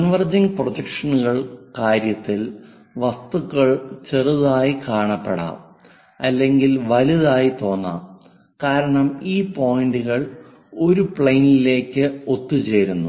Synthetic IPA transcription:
kɐnʋɐrd͡ʑiŋɡprot̪ɐkʂɐnuɣɐɭkaːɾjɐt̪ːil | ʋɐst̪ukːɐɭt͡ɕe̞ruðaːjikaːɳɐpːeɽa̰ːʋ | ɐlːe̞ŋɡilʋɐliðaːjit̪o̞ːnːa̰ːm | kaːɾɐɳɐmiːpo̞ːjɳɖuɣɐɭ | o̞ɾupɭejnile̞ːkʲːɨo̞t̪ːut͡ɕe̞ːɾunːu

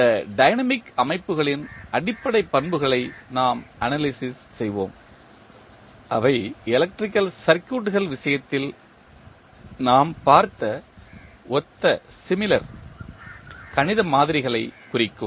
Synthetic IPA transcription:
ɐɖɐɪnɐmɪkɐmɐɪpːɯɣɐɭɪnʔɐɽɪpːɐɽɐɪpːɐnbɯɣɐɭɐɪnaːmʔɐnaːlɪsɪs | sɛjʋo̰ːm | ʔɐ̰ʋɐɪɛlɐk̚ʈrɪkːɐlsɐɾkːuːʈːɯɣɐɭʋɪsɐjɐt̪ːɪl | naːmpaːɾt̪ɐ | ɔt̪ːɐsɪmɪlɐɾ | kɐnɪðɐmaːðɪɾɪɣɐɭɐɪkʊrɪkːɯm

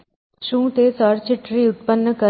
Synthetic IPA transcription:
ʃũːt̪esəɾt͡ʃɪʈɾiʊt̪̚pənːəkə

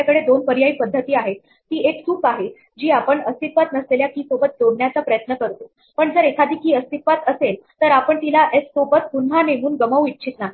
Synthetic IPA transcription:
akəɽed̪onpəɾjaiːpəd̪ʱːət̪iːaɦet̪ːiːekt̪ʰuːpaɦe | d͡ʑiːapəɳəst̪it̪ʋat̪nəsleljakiːsobət̪̚d̪oɽɳjat͡sapɾəjət̪nəkəɾt̪o | pəɳd͡zəɾekʰad̪ʱiːkiːəst̪it̪ʋat̪əselt̪əɾapəɳt̪ilaʔeskobət̪̚punɦanem̤uːnɡəməʋitːt͡ɕʰit̪naɦi

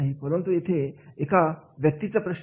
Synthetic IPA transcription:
ɦipəɾənt̪ujet̪ʰeekaʋjək̚t̪it͡sapɾəɕ

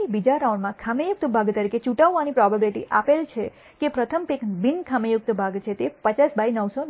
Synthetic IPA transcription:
ibid͡ʒaɾauɳɖmãkʰamejʊk̚t̪əbʱaɡt̪əɾiket͡ʃuʈaʋːanipɾɔbabiliʈḭʔapelt͡ʃʰe | kepɾət̪ʰəmpekbinkʰamejʊk̚t̪əbʱaɡt͡ʃʰet̪epət͡ʃasbainəʋso

